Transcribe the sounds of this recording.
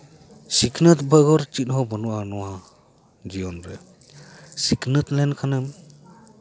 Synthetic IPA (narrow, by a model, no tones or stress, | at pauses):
sikʰnɯt̪bəɡɔɾt͡ʃit̚ɦɔbɔnuanɔwa | d͡ʒijɔnbɾɛ | sikʰnɯt̪lɛnkʰanɯm